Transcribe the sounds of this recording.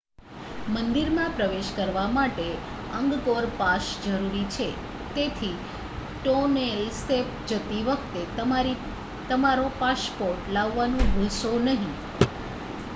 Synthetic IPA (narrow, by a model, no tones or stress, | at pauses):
mənd̪iɾmãpɾəʋeʃkəɾʋamaʈe | əŋɡɡoɾpaʃd͡ʒəɾuɾit͡ʃʰe | t̪et̪ʰi | ʈonelst̪ep̚d͡ʒət̪iʋək̚ʰt̪etɾi | t̪əmaɾopaspoɾʈlaʋːanũbʱusonəɦĩ